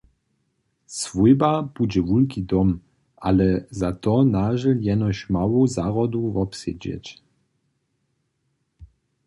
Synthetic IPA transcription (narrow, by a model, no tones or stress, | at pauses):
svujbabud͡ʑɛvulkid̪ɔm | ʔalɛzat̪ɔnaʒɛljɛnɔɕmawozaʁɔd̪uvɔpsḛd͡ʑɛ̰t͡ɕ